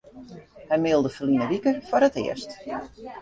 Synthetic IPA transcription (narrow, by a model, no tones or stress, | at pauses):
hɛjmɪlˠdəfəlinəʋikəfɔɾətɪ̰əst